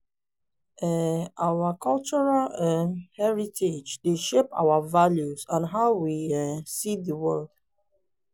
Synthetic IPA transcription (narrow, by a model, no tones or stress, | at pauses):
ɛawakʰɔlt͡ʃɔɹalɛhɛɹitʰed͡ʒdeʃepa̰wavaljuzãnɦaʊwiɛsiðəwɜld̥